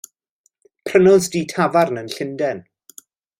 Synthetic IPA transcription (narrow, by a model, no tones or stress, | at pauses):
pʰrənʊlˠzdiːtʰavarnənɬɪndɛn